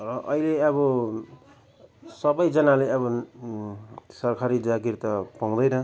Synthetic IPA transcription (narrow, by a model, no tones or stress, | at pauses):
rʌʔʌileʌβʌ | sʌbʌjd͡zʌnaleʌbʌ | sʌrkʰaɾid͡zaɡirt̪ʌpaw̃d̪ʌjnʌ